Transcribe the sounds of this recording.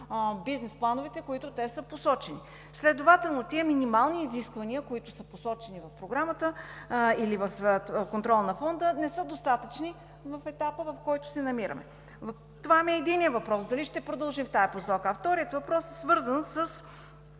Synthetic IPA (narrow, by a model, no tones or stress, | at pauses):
biznɛsplˠanovit̪ɛkoit̪ʊt̪ɛsəposɔt͡ʃɛni | slɛd̪ovat̪ɛlˠnot̪iɛminimalˠniːziskvəniəkoit̪ʊsəposɔt͡ʃɛnivɐfpɾoɡɾamət̪ə | ilivɐfkont̪ɾɔlˠnɐfɔnd̪ənɛsɤd̪ost̪at̪ət͡ʃni | vɐfɛt̪apəvɐfkɔjt̪ʊ̥sɛnɐmiɾə̰mɛ̰ | v | t̪ovamiɛːd̪inijəvɐpɾɔsd̪ɐliʃt̪ɛpɾod̪ɐlˠʒimft̪ajɐposɔkəft̪ɔɾijət̪vɐpɾɔsɛsvɤɾzənsəs